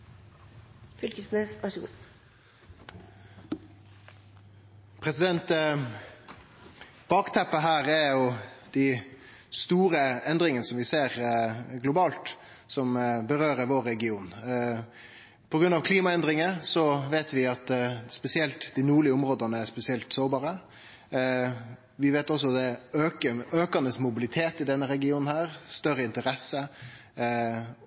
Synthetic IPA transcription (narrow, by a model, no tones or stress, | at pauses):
fʏlkəsnəsɑsṵ | pʰɾɛsɪd̪ɛnt̪ | b̥ɑːkt̪ʰæpːəɦæːɾæɾjʊd̪̥æ | st̪uːɾəɛnd̪ɾɪŋənəsɔmʋɪseːɾɡlʊbɑːlt̪ | sɔmbəɾøːɾəɾʋoːɾɛɡɪuːn | pʰɔɡɾʉnɑʋkʰliːmɑɛnd̪ɾɪŋəsɔʋeːt̪ʋɪɑt̪spɛsɪɛlt̪d̪ɪnuːɭɪəɔmɾoːd̪ənəæspɛsɪɛlt̪soːɾbɑːɾə | ʋɪʋeːt̪ɔs̬ːɔd̪ɛøːkəøːkɑnəsmʊbɪlɪt̪ʰeːt̪ɪd̪ɛnːəɾɛɡɪuːnn̩hæːɾst̪œɾəɪnt̪əɾɛsːə